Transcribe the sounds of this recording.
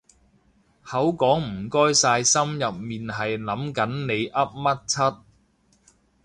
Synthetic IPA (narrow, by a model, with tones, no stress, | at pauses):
hɐ˨˥wkɔː˨˥ŋm̩˨˩kɔː˥jsaː˧jsɐ˥mjɐ˨p̚miː˨nɦɐ˨jlɐ˨˥mkɐ˨˥nne˨˧jʔɐ˥p̚mɐ˥t̚t͡sʰɐ˥t̚